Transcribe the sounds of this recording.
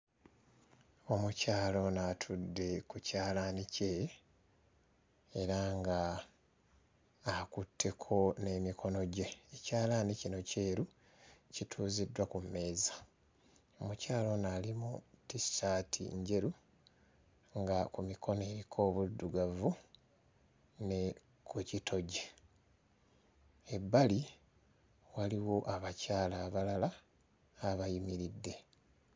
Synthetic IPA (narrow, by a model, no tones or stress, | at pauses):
o̞mucaːlo̞natʰudːe̞kucaːlanice̞ | eɾaŋɡa | kutʰːe̞kʰo̞ne̞ːmikʰo̞no̞ɟe̞ːcaːlanicino̞ceːɾu | citʰuːzidwakumːe̞ːza | o̞mucaːlo̞nalimutistatʰḭɲɟe̞ɾu | ŋɡakumikʰo̞ne̞ɾikʰo̞ːβudːuɡavu | ne̞ | kʰucitʰo̞ɟe | ebːali | waliwo̞ʔaβacaːlaːβalalaː | βajimiɾidːe̞